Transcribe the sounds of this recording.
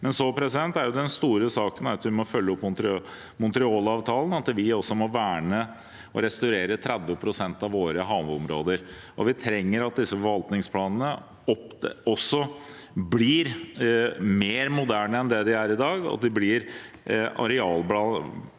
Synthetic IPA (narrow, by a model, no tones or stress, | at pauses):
mɛnsɔpʰɾɛsɪd̪ɛnt̪æɾjʊd̪ɛnst̪uːɾəsɑːkənæɾɑt̪ʋɪmɔfœlːəɔpːmʊnt̪ɾ | mʊnt̪ɾɪoːlɑːʋt̪ʰɑːlən̩ɑt̪ʋɪɔsːɔmɔʋæːɳə | ɔɾɛst̪ɑʉɾeːɾət̪ʰɾɛd̪ʋəpʰɾʊsɛnt̪ɑʋʋoːɾəɦɑːʋʉɔmɾo̰ːd̪əɾ | ʔɔʋɪt̪ʰɾɛŋːəɾɑt̪̚d̪ɪsːəfɔʋɑlt̪nɪŋspʰlɑːnənə | ɔpɔsːɔ | blɪɾ | meːɾmʊd̪æːɳəɛnd̪ɛd̪ɪæɾɪd̪ɑːɡɑ̰t̪̚d̪ɪblɪɾ | ɑ̰ɾɛɑːlblɑ